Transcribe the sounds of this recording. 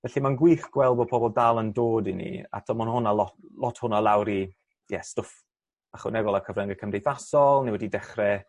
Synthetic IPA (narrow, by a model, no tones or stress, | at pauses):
vɛɬimanɡwiːθɡ̥wɛlˠbɔpʰɔbɔlˠdalˠəndoːdinḭa̰tʰɔmɔnhʊnalˠɔlˠɔtʰhʊnalˠawɾi | jɛstof | aχwɛ̰nɛɡɔlˠakʰəvrɛŋɡəkʰəmdejθasɔlˠniwɛdidɛχrɛ